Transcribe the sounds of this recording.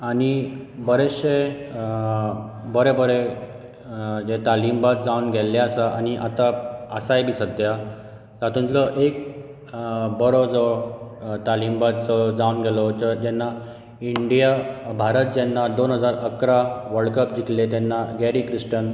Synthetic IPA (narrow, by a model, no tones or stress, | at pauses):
aɽ̃ibəɾeɕe | bəɾebəɾe | d͡ʑet̪alimbat̪̚d͡zaunɡʱɛlːaasaʔañiʔat̪aəsajbʱisəd̪ja | sat̪ʰũnt̪lɔʔek̚ | bəɾɔd͡zɔ | t̪alimbat̪̚t͡sɔd͡zaunɡʱɛlɔd͡ʑd͡ʑɛnːa | iɳɖijabʱaɾət̪̚d͡ʑɛnːad̪onɦəd͡zaɾəkɾaʋəɭkəp̚d͡ʑiklet̪ɛnːaɡɛɾikɾisʈən